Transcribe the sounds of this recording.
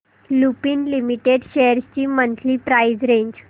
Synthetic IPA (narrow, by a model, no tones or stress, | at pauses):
lupiːnlimiʈeɖɕejəɾst͡ɕiːmənt̪ʰliːpɾajd͡zɾẽɲd͡ʑ